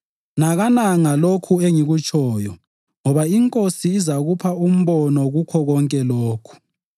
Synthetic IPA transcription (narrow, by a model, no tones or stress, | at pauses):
naɣanaŋalokʰueŋiɣut͡ʃʼʰɔːjɔ | ŋɔβaiŋkʼosiːzaɣupʰaum̩βɔnɔɣukʰɔɣɔŋkʼɛloːkʰu̥